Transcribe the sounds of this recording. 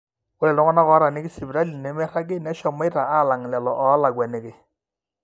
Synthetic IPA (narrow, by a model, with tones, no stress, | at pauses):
kʊ˦lɛ˨tɔ˦ŋɔ˦na˦kɔ˨˦ɾa˨nɪ˦kɪ˦sɪ˨bɾa˦li˨nɛ˨mɛ˦ɾa˦ɡɪ˦nɛ˦ʃɔ˨ma˦ta˨a˦˨la˨ŋ˨lɛ˨lɔ˨ʔɔ˨˦la˨ɡwɛ˨ne˨kɪ˨